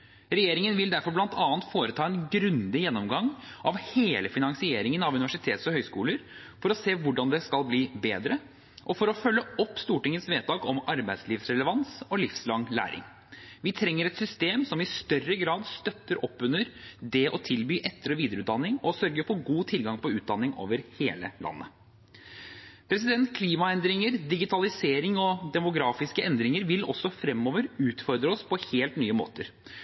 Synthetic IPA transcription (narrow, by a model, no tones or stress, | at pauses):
ɾɛjeːɾɪŋənʋɪld̪æɾfɔɾblɑnt̪ʰɑːnt̪foːɾət̪ʰɑːɛnɡɾʉnd̪ɪjɛnːɔmɡɑŋʔɑʋheːləfɪnɑŋsɪeːɾɪŋənɑʋʉnɪʋæʂɪt̪ʰeːt̪sɔhœʏskuːləɾ | fɔɾɔseːʋʊɖɑnd̪ɛskɑlbliːbeːd̪ɾə | ʔɔfɔɾɔfœlːəɔpːst̪uːʈɪŋːət̪sʋeːt̪ʰɑːkɔmɑɾbæɪd̪sliːʋsɾɛləʋɑnsɔlɪfslɑŋlæ̰ːɾɪ̰ŋ | ʋɪt̪ʰɾɛŋːəɾɛt̪sʏst̪eːmsɔmɪst̪œrəɡɾɑːd̪st̪œt̪ːəɾʔɔpːʉnəɾd̪ɛʔɔt̪ʰɪlbyːʔɛt̪ːəɾɔʋiːd̪əɾʉːt̪̚d̪ɑnːɪŋɔsœɾɡəfɔɾɡuːt̪ʰɪlɡɑŋpɔʉːt̪̚d̪ɑnːɪŋo̰ːʋəɾheːləlɑ̰nːə̰ | pʰɾɛsɪd̪ɛnt̪kʰliːmɑɛnd̪ɾɪŋəɾd̪ɪɡɪt̪ʰɑlɪseːɾɪŋɔd̪ɛmʊɡɾɑːfɪskəʔɛnd̪ɾɪŋəɾʋɪlɔ̰sɔfɾɛmːoːʋəɾʉːt̪fɔɾd̪ɾəɔspʰɔheːlt̪nyːəmo̰ːt̪əɾ